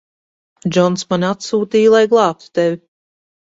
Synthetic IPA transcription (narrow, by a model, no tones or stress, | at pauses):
d͡ʒɔnsmanʲat̪suːt̪iːjlˠajɡlˠɑːp̚t̪u̥t̪evʲi